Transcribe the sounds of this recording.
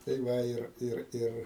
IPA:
tɐɪ ˈʋɐ ˈɪr ˈɪr ˈɪr

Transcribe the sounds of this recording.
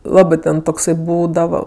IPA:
ˈlˠɑːbɜ tʲɛn toːkˈsɐɪ ˈbuːdɐʋɐ

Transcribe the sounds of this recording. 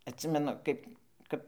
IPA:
ɐtʲˈsʲɪmʲɛnʊ ˈkɐɪp ˈkɐp

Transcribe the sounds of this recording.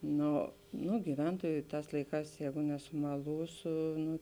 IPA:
ˈnoː ˈnʊ ɡʲɪˈʋʲɛntuɔjʊ ˈtɑːs ˈlˠɐɪˌkɑːs ˈjɛːɡʊ nʲɛsʊmɐlˠuːsʊ ˈnʊ

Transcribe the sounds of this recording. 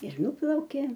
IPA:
ɪr ˈnʊplˠɐʊkʲeː

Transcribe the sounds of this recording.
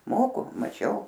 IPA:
ˈmoːkʊ mɐˈt͡ʃʲɛʊ

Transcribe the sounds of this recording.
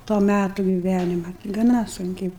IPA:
toː ˈmʲætʊ ɡʲɪˈʋʲænʲɪmɐ ɡɐˈnɐ sʊŋʲˈkʲɛɪ

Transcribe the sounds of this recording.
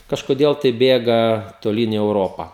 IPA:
kɐʃkoːˈdʲeːlˠ tɐɪ ˈbʲeːɡɐ toːˈlʲiːn iː ɛʊˈroːpɐ

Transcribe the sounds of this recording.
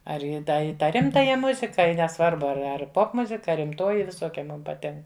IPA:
ˈɐr iː ˈdɐ iː ˈtɑː ˈrʲɪmtɐjɛ ˈmʊzʲɪkɐ ɪ nʲɛˈsʋɐrbʊ ɐr ˈɐr ˈpoːpmʊzʲɪkɐ ɐ rʲɪmˈtoːjɪ ʋʲɪˈsoːkʲɛ ˈmʊm pɐˈtʲɪŋk

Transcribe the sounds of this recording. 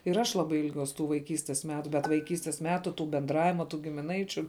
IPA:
ɪr ˈɐʃ ˈlˠɑːbɐɪ ɪlʲˈɡʲuɔs tuː ʋɐɪˈkʲiːsʲtʲɛs ˈmʲæːtʊ bʲɛt ʋɐɪˈkʲiːsʲtʲɛs ˈmʲæːtʊ tuː bʲɛnˈdrɑːʋʲɪmɐ tuː ɡʲɪmʲɪˈnɐɪt͡ʃʲʊ

